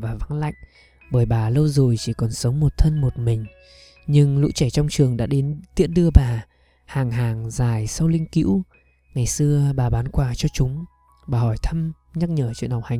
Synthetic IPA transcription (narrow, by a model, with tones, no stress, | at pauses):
vaː˨˩va˨˦ŋla̰˧˨jŋ̟ | ɓəː˧˩jɓaː˨˩lə˧wzo˨˩jt͡ɕi˧˩kɔ˨˩nsə˨˦wŋ͡mmo˨˩t̚t̪ʰə˧nmo˨˩t̚mï˨˩ŋ̟ | ɲɨ˧ŋlṵ˧˥t͡ɕɛ˧˩t͡ɕɔ˧wŋ͡mt͡ɕɨ˨˩əŋɗa̰ː˧˥ɗe˨˦nt̪i˦˥ət̚ɗɨ˧əɓaː˨˩ | haː˨˩ŋɦaː˨˩ŋzaː˨˩jsa˧wlï˧ŋ̟kḭ˧˥w | ŋa˨˩jsɨ˧əɓaː˨˩ɓaː˨˦nkwaː˧˩t͡ɕɔ˧t͡ɕʊ˨˦ŋ͡m | ɓaː˨˩hɔ˧˩jt̪ʰə˧m | ɲa˦˥t̚ɲəː˧˩t͡ɕwḭ˧˨ənhɔ˨˩w̚ha˨˩ŋ